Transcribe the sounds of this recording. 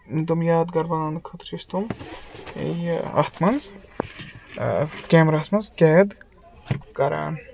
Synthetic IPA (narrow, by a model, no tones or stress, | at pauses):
d̪umjaːd̪ɡɐɾbɐnɐnkʰɐt̪ɾist̪um | jɐ̰ht̪mɐnz | kʲeːmɾaːsmɐnzkʲɛːd̪ | ɡɐɾa̰ːn